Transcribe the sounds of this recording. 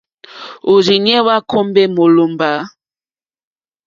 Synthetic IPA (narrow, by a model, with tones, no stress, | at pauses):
o˨ɾi˨ɲɛ˦wa˦kʰo˦mbɛ˦mo˨lo˨mba˨˦